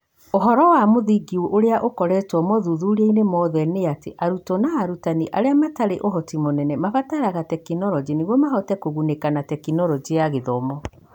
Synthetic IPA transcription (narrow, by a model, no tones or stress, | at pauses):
oɦɔɾɔwamoðiɡioʔoɾeaʔokɔɾɛtwɔmɔðuðuɾieinemɔðɛneateʔaɾutɔnaːɾutaniʔaɾeamataɾeʔoɦɔtimonɛnɛmafataɾaɣatɛkinɔɾɔd͡ʒineɣwɔmaɦɔtɛkoɣunekanatɛkinɔɾɔd͡ʒiaɣeðɔmɔ